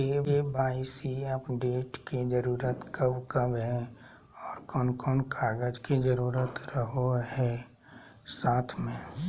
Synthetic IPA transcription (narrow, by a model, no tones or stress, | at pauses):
eːʋebaːɪsiəpɖeːʈkid͡ʒəɾuːɾət̪kəbkəbɦɛ | ɔːɾkɔːnkɔːnkʰaːɡəd͡ʒkid͡ʒəɾuːɾət̪ɾəɦoɦɛ | saːt̪ʰmẽ